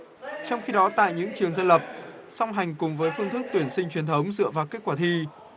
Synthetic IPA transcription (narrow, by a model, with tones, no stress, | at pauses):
t͡ɕɔ˧wŋ͡mxi˧ɗɔ˨˦t̪a̰ː˧˨jɲɨ̰˧˥ŋt͡ɕɨ˨˩əŋzə˧nlə˨˩p̚sɔ˧wŋ͡mɦa˨˩jŋ̟kʊ˨˩ŋ͡mvəː˨˦jfɨ˧nt̪ʰɨ˦˥k̚t̪wi˧˩ənsï˧ŋ̟t͡ɕwi˨˩ənt̪ʰə˨˦wŋ͡mzɨ̰˧˨əvaː˨˩ke˦˥k̚kwaː˧˩t̪ʰi˧